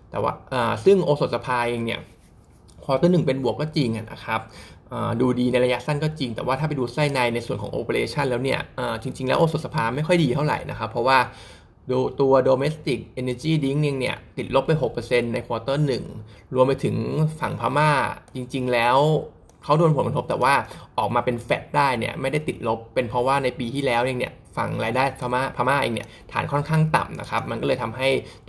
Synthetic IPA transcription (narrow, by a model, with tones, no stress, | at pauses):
t̪ɛ̰ː˨˩wa̰ː˥˩ʔɤː˨˩sɯ˥˩ŋʔoː˧so˨˩t̪̚sa˧pʰaː˧ʔeː˧ŋni˥˩ɐ | kʰwːt̪ɤː˥˩nɯ˨˩ŋp̬e˧nbu˨˩əkːɔː˥˩t͡ɕi˧ŋʔa˨˩nʔa̰˦˥kʰa˦˥p̚ʔɤː˨˩duː˧diː˧na˧jɾa˧ja˦˥sa˥˩nkɔː˥˩t͡ɕi˧ŋt̪ɛ̰ː˨˩waː˥˩t̪ʰaː˥˩pa˨jduː˧sa˥˩jna˧jna˧jsu˨˩ənkʰɔː˩˦ŋʔo̰ː˧pə˧leː˧t͡ɕʰa˥˩nlɛː˦˥wni˥˩ɐʔɤː˨˩t͡ɕi˧ŋt͡ɕi˧ŋlɛː˦˥ʔoː˧so˨˩sa˧pʰaː˧ma˥˩jkʰɔ˥˩jdiː˧t̪ʰa˥˩wɾa̰˨˩jna̰˦˥kʰa˦˥pʰɾɔ˦˥waː˥˩ | duː˧t̪u˧ɐdoː˧meː˦˥st̪i˨˩k̚ʔe˧nɛː˧t͡ɕiː˥˩di˦˥ŋni˧ŋni˥˩ɐt̪i˨˩t̪̚lo˦˥pːa˧jɦo˨˩k̚pːɤː˧se˧nːa˧jkʰɔː˧t̪ɤː˥˩nɯ˨˩ŋɾu˧əmpa˧jt̪ʰɯ˩˦ŋfa˨˩ŋpʰaː˧˥maː˥˩t͡ɕi˧ŋt͡ɕi˧ŋlɛː˦˥w | kʰa˦˥wdo˧npʰo˩˦nka˧t̪ʰp̚t̪ɛː˨˩waː˥˩ʔɔː˨˩k̚maː˧pe˧nfɛ˦˥t̪̚daː˥˩jnḭ˥˩ɐma˥˩jda˥˩jt̪i˨˩lo˦˥pːe˧npʰɾɔ˦˥waː˥˩na˧jpiː˧t̪ʰiː˥˩lɛː˦˥wʔi˧ŋni˥˩ɐ | fa̰˨˩ŋɾaː˧jdaː˥˩jpʰa˦˥maː˥˩pʰaː˧maː˥˩ʔḛː˧ŋnḭ˥˩ɐt̪ʰaː˩˦nkʰɔ˥˩nkʰaː˥˩ŋt̪a̰˨˩mna̰˦˥kʰa˦˥p̚ma˧nkɔ˥˩lɤː˧jt̪ʰa˧mɦa˥˩j